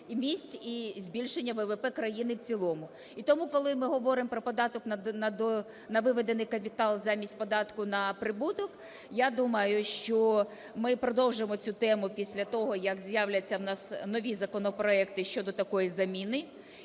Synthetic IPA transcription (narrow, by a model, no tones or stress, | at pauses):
mʲisʲtʲizʲbʲilʲʃenʲːɐʋɛʋepɛkɾɐjinɪwt͡sʲilˠɔmʊ | it̪ɔmukɔlˠɪmɪɦɔʋɔɾɪmpɾɔpɔd̪ɑt̪ɔknɐɐd̪ɔ | nɐʋɪʋed̪enɪjkɐpʲit̪ɑlˠzɑmʲisʲtʲpɔd̪ɑt̪kʊnɐpɾɪbut̪ɔk | jad̪umɐjʊʃt͡ʃɔ | mɪpɾɔd̪ɔwʒemɔt͡sʲut̪ɛmʊpʲisʲlʲɐt̪ɔɦɔjɐkzʲjawlʲɐt͡sʲːɐwnɑsnɔʋʲizɐkɔnɔpɾɔɛkt̪ɪʃt͡ʃɔd̪ɔt̪ɐkɔjizɐmʲinɪ